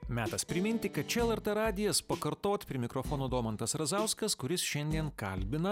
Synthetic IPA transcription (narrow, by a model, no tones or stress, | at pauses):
mʲæːt̪ɐspʲɾʲɪmʲɪnʲt̪ʲɪkɐt̪̚t͡ʃʲɛɛlˠɛɾʲt̪ɛɾɑːd̪ʲɪjɛspɐkɐɾt̪oːt̪ʲpʲɾʲɪmʲɪkɾofoːnoːd̪oːmɐnt̪ɐsɾɐzɐˑʊskɐskʊɾʲɪsʃʲɛnʲd̪ʲiɛnkɐ̰lʲbʲɪnɐ